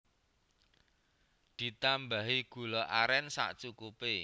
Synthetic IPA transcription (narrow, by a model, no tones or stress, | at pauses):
d̪̥i̤t̪ambaɦiɡ̥ṳlɔʔaɾɛnsa̰ʔt͡ʃukupe